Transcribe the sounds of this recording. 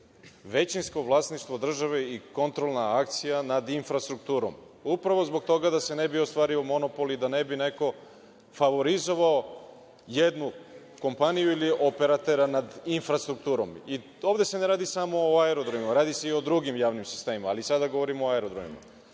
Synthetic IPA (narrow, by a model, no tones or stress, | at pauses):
ʋe̞t͡ɕinsko̞ʋlˠaːsniʃt̪ʋo̞d̪r̩ʒaʋeiko̞nt̪ɾo̞lˠnaak̚t̪sijanad̪infɾast̪ɾuk̚t̪uːɾo̰m | upɾaʋo̞zbo̞ɡ̚t̪o̞ɡad̪ase̞ne̞biost̪ʋaːɾio̞mo̞no̞po̞lid̪ane̞bine̞ko̞ | faʋo̞ɾizo̞ʋao | je̞d̪nu | ko̞mpanijuiliope̞ɾat̪e̞ɾanad̪infɾast̪ɾuk̚t̪uːɾomi | oʋd̪e̞se̞neɾaːd̪isamo̞ːaeɾo̞d̪ɾomimaɾaːd̪ise̞io̞d̪ɾuɡimjaːʋnimsi̥st̪e̞ːmimaːlisad̪aɡo̞ʋoɾimooaeɾod̪ɾomḭma̰